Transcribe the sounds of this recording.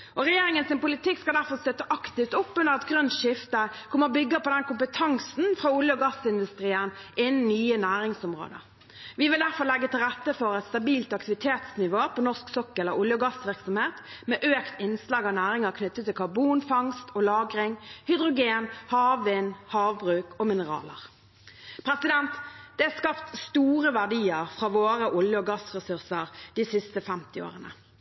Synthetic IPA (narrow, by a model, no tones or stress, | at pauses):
ʔɔʁɛjeːɾɪŋənsɪnpʊlɪt̪ɪkːskɑd̪æɾfɔʁst̪œt̪ːəʔɑkt̪ɪft̪ɔpːʉnəʁɑt̪ɡʁœnt̪ʃɪft̪əkʰɔmːəʁɔbʏɡːəpɔd̪ɛnkʊmpət̪ʰɑŋsn̩fɾɑːʊljəɔɡɑsɪnd̪ʉst̪ɾiːənɪnːn̩nyːənæːɾɪŋsʊmʁo̰ːd̪ə̰ɾ | ʋɪʋɪld̪æʁfɔʁlɛɡːət̪ɪlɾɛt̪ːəfɔɾɛt̪st̪ɑbiːlt̪ɑkt̪ɪʋɪt̪ʰeːt̪snɪʋoːpʰɔnɔsksɔkːəɛlːəɾʊljəɡɑsʋɪʁksɔmheːt̪meːʔøːkt̪ɪnslɑːɡɔnæːʁɪŋəʁkʰnʏt̪ːət̪ːɪlkʰɑʁbuːnfɑŋst̪ɔlɑːɡʁɪŋhʏd̪ʁʊɡeːnhɑːʋʋɪːnhɑːʋbʁʉːkɔmɪnəʁɑ̰ːləʁ | pʰɾɛsɪd̪ɛnt̪d̪̥ɛæskɑpt̪st̪uːɾəʋæʁɖiːəʁfʁɑːʋoːɾəʔʊljəɔɡɑsʁɛsʉʁsəʁd̪̥isɪst̪əfɛmt̪ɪo̰ːʁənə